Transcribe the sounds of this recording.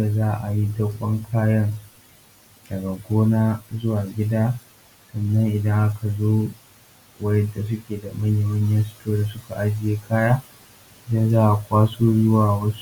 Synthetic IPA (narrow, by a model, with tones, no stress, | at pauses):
da˨zaː˦ʔa˨ji˦dɐ˦kʷʼːɐ˦ŋkʰaː˦jɐ˦n | d̥ɐ˨ɡa˨ɡʷoː˦naː˦zʊ˦waː˨ɡʲɪ˦daː˦ | sɐ˨nːɐ˦ŋʔɪ˨dɐ˦ŋʔa˦kʰa˨zoː˦ | wɐ˦jɐ˦da˨s̬ʊ˦kʲeː˨da˨mɐ˦ɲje˨mɐ˦ɲjɐ˦stoː˦da˨sʊ˦ka˨ʔa˦d͡ʒɪ˨jeː˦kʰaː˦jaː˦ | ɪ˨da˦zaː˦ʔa˨kʷaː˦soː˦zʊ˦waː˨wɐ˦su̥˦